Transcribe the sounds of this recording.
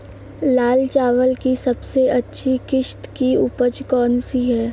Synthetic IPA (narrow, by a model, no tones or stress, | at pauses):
laːlt͡ʃaːʋəlkisɐbseɐtːʃʰikɪʃt̪kiʊpəd͡ʒkɔːnsiɦɛː